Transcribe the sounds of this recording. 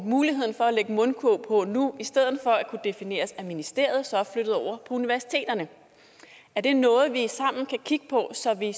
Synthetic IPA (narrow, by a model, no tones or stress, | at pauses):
muːliɦe̝ð̞̰ˠn̩fɒ̽æleɡ̥əmɔ̽nkʰopʰɔ̽nuisd̥eð̞̰ˠð̩ˠfɒ̽ækʰud̥e̝fine̝̰ːɐsæminisd̥e̝ɐ̰ð̞̩ˠsɒ̥flød̥ð̩ˠɒʊ̰ɐpʰɒ̽uniʋæɐsi̥t͡sʰe̝̰ːd̥ɐnə | æɐd̥e̝nɔ̽ːð̞̩ˠʋisɑ̈m̰n̩kʰækʰiɡ̥ə̥pʰɒ̽sɒ̽ʋi